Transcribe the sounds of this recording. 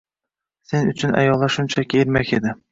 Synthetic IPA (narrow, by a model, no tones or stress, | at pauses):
senɵt͡ʃʰɪnæ̰jɒlˠːɑʃunt͡ɕʰækʲejɘɾmæked̪ɪ